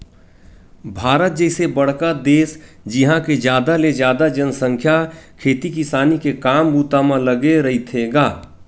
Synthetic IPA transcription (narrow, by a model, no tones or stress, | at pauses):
bʱaːɾət̪̚d͡ʒɛːsebəɽ̤kad̪eːs | d͡ʒiɦãked͡ʒjaːd̪aled͡ʒjaːd̪ad͡ʒənsə̃ŋkʰjakʰeːt̪ikisaːnikekaːmbuːt̪amãləɡeɾəɦit̪ʰeɡaː